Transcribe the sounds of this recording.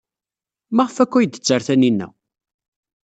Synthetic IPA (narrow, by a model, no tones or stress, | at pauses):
maʁəfækʷːæjd̪ə̥t͡sːəɾθæninːæ̰